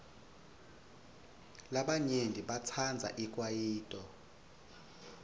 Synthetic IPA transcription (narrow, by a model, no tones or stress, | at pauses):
laɓaɲendʱiɓat͡sʰand͡zʱa̰ʔikʼwajiːtʼɔ